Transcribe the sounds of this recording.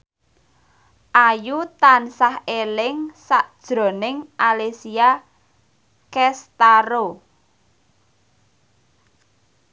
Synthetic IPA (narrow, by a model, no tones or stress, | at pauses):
ʔajut̪ansahelɪŋsaʔd̥ʒ̥ɾo̤nɪŋʔalesia | kɛst̪aɾo